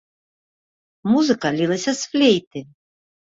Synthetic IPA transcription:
muzɨkɐlʲilˠɐsʲɐsflʲejt̪ɨ

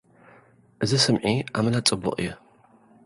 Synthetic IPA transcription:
zɨsɨmʕia̰mɨlat͡sʼɨbʊ̰qʼjɛ

